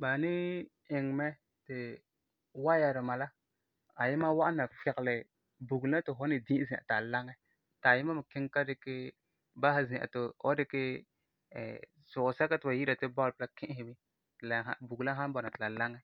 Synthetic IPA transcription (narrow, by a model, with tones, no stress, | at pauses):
ba˨nɪ˦ | ɪ˨ŋ˨mɛ˦ | tɪ˨ | wa˦ja˨ɾɪ˨ma˨la˦ | a˨jɪ˦ma˦wa˦ʔna˨fɪ˨klɪ˨ | bu˨ɡla˦tɪ˨ɦɔ˦nɪ˨dĩ˦zĩ˨ʔa̰˨ta˨la˦ŋɛ˦ | ta˨jɪ˦ma˦mɪ˨kɪ˦ŋka˦dɪ˨kɪ˦ | ba˦ha˦zĩ˨ʔa̰˨tʊ˨ɔ̰˦dɪ˦kɪ˦ | ɛ̰˨ | sʊ˨ksa˦ka˦tɪ˨wa˨ji˦ɾa˨tɪ˦ba˦˨pɪ˦la˦kɪ̃˦ʔɪ˨mɪ˦ | tla˨ɦa̰˦bu˨ɡla˦ɦa˦n˦bɔ˨na˨tɪ˨la˨la˦ŋɛ˦